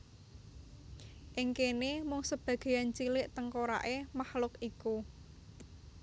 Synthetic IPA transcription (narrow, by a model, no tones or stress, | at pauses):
ʔɪŋkenemʊŋsəb̥ä̤ɡ̥e̤jant͡ʃilɪʔt̪əŋkoɾa̰ʔemahlʊkiku